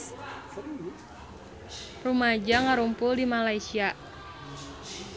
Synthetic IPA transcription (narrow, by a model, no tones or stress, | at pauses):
rumad͡ʒaŋaɾumpʊldimalaisia